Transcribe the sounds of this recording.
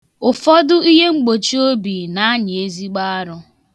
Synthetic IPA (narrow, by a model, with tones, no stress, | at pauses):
ʊ˨fɔ˦dʊ˦i˦ɦe˦ŋ͡m̩˦ɡ͡bo˨t͡ʃi˦o˦bi˨na˨a˦ɲɪ˨e˦zi˦ɡ͡ba˦a˦ɾʊ˦